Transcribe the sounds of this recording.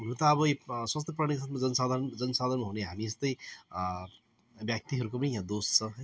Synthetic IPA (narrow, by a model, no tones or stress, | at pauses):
ɦunũt̪ʌːbʌiswast̪ʰjʌp̬rañiks̬at̪ʰmad͡zʌnsad̪ʱand͡zʌnsad̪ʱanmaɦuneɦamiest̪ʌj | bjak̚t̪iɦʌɾukopʌnijãd̪ost͡sʰʌɦʌ